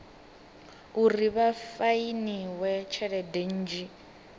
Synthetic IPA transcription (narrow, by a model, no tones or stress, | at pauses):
uriβafainiwɛt͡ʃʰɛɺɛden̩d͡ʒi